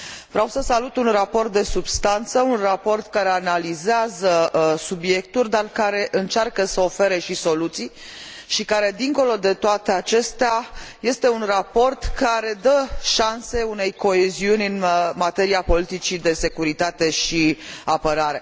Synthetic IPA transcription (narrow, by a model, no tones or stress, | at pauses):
vɾawsəsalut̪unrapo̞rt̪̚d̪e̞subst̪ant̪səunrapo̞rt̪kaɾe̞analizeazəsubje̞k̚t̪ulʲd̪arkaɾe̞ʔɨnt͡ʃarkəsəo̞fe̞ɾe̞ʃiso̞lut̪sij | ʃikaɾe̞d̪iŋko̞lo̞d̪e̞t̪oat̪e̞at͡ʃe̞st̪eaje̞st̪e̞unrapo̞rt̪kaɾe̞d̪əʃanse̞une̞jko̞e̞ziunʲɨnmat̪e̞ɾiapo̞lit̪it͡ʃid̪e̞se̞kuɾit̪at̪e̞ʃiapəɾaɾe̞